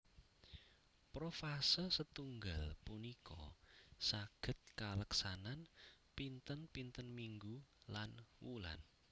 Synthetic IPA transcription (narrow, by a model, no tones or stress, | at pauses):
pɾofasəsət̪uŋɡalpunikɔ̰saɡ̥ə̤t̪̚kaləksananpint̪ənpint̪ənmiŋɡulanwṵla̰n